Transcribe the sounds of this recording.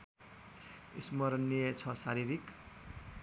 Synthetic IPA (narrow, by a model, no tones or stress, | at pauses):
ismʌɾʌnːiet͡sʰʌsaɾiɾik